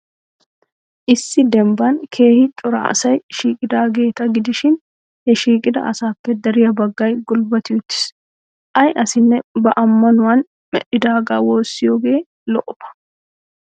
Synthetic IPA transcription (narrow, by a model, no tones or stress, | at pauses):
ʔɪsːɪd̪ɛmbɐnkʰe̞ːhɪt̪ʼʊɾɐ̰ɐ̰sɐjʃiːkʼɪd̪aːɡe̞ːt̪ɐɡɪd̪ɪʃɪn | hɛʃiːkʼɪd̪ɐ̰ʔɐsaːkːɛd̪ɐɾɪjɐbɐɡːɐjɡʊlbɐt̪ɪjʊt̪ːɪ̥s | ʔɐjʔɐsɪnːɛbɐʔɐmːɐnʊwɐn | mɛ̰ɗɪd̪aːɡaːwo̞ːsːɪjoːɡe̞ː | lɔʔɔbɐ̥